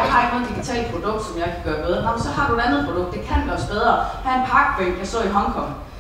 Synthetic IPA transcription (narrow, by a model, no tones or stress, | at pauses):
hɑ̈eɡno̽ːð̩ˠd̥iɡ̥it͡sʰɛ̰ːl̚pʰʁo̝d̥ɔ̽ɡ̥̚d̥sɒ̽mjɑ̈ɪkʰæɡ̥ɶːɐmeð̞ˠnɒmnsɒ̽ɦɑ̈ɾ̥ue̝d̥ænð̞̩ˠpʰʁo̝dɔ̽ɡ̥̚d̥ekʰæn̥lɒsb̥eð̞ˠʁɐhæenpʰɑ̈ːɡ̥b̥ʰʁḛ̥jɑsd̥ɔ̰̽ːiɦɒ̽ŋkʰɒ̽ŋ̰